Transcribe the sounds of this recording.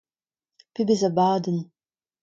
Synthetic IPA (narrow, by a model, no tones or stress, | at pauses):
pʰibɨzɐbaːdɨn